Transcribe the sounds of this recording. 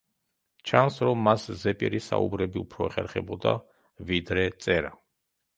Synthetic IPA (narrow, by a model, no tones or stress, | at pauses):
t͡ʃʰansɾɔmːaszɛpʼiɾisa̰ṵbɾɛbiupʰɾɔɛχɛɾχɛbɔd̪a̰ | vid̪ɾɛt̪sʼɛɾa